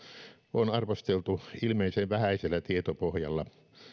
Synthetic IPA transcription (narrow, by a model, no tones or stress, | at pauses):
onɑrʋost̪elt̪uilmeˑiseʋʋæhæˑiselːæt̪iet̪opohjɑ̰lːɑ